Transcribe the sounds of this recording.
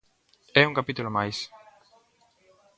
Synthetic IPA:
ɛuŋkapit̪ulomajs

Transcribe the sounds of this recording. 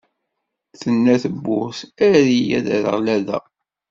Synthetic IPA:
θənːæθəbːʊsæɾijæ̰ðæɾə̰ʁlæðæ̰

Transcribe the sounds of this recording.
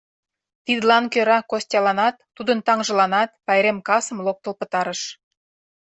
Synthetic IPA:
t̪id̪lɑnkøɾɑkosʲtʲɑlɑnɑt̪ːud̪ənt̪ɑŋʒə̆lɑnɑt̪̚pɑjɾemkɑsəmlok̚t̪ə̆lpə̆t̪ɑɾəʃ

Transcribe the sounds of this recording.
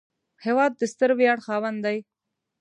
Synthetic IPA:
heːwaːd̪̚ːɪst̪əɾwjɑːɽxɑːwand̪aj

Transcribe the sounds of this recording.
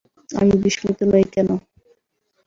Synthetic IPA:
a̰mibiʃkit̪onojkɛno

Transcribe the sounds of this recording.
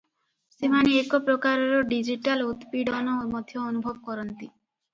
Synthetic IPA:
semaneekɔpɾɔkaɾɔɾɔɖid͡ʒiʈalut̪piɽɔnɔmɔd̪ʱjɔːnubʱɔbɔkɔɾɔnt̪i

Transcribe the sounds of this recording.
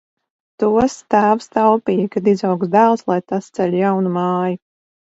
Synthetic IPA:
t̪uɔst̪æːvst̪awpiːjkad̪izawksd̪æːlˠslˠajt̪ast̪sɛlʲjawnumɑːju

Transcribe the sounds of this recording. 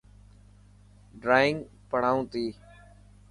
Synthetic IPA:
ɖɾaːɪŋɡ | pəɽ̤aːũːt̪iː

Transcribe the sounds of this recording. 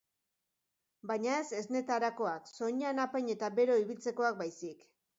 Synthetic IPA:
baɲae̞se̞zne̞t̪aɾako̞akso̞ɲanapeɲe̞t̪abe̞ɾo̞iβ̞ilt͡se̞ko̞ak̚bajsik

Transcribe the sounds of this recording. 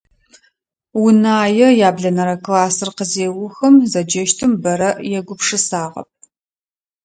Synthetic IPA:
wʊnaːjɛjaːbɮɐnɐɾɐklaːsɨrqəzeːwʊxɐmzɐd͡ʒɐʃtʰɨmbɐɾɐʔjɛɡʷʊpʂɨsaːʁɐ̰p̚

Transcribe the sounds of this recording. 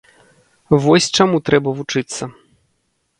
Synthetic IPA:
vɔsʲt͡ʂamut̪ɾɛbɐvut͡ʂɨt̪sːɐ

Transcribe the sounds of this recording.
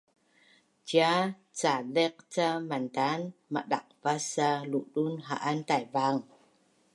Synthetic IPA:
t͡ʃja | t͡salɛk̚t͡samant̪anma̰ɗa̰k̚vasaluʔɗunɦaʔant̪ajvaŋ

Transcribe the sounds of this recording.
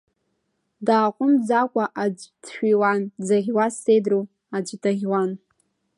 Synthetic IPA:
daːqʷʼʊmd͡zakʷʼaʔad͡ʒʷd̥ʃᶣiwand͡zaʁʲwasejdru | ad͡ʒʷtʰaʁʲwan

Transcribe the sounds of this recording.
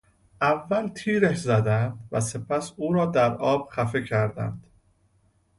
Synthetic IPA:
ʔævːælt̪ʰiːɾæʃzæd̪ænd̪væse̞pʰæsuːɾɒːd̪æɾɒːb̥xæfe̞cʰæɾd̪æ̰nd̪̥

